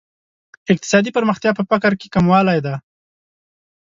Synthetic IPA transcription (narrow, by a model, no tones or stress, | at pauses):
ɪk̚t̪ɪ̥sɑd̪ipəɾməxt̪jɑpəpakaɾke̥kamwɑlajd̪a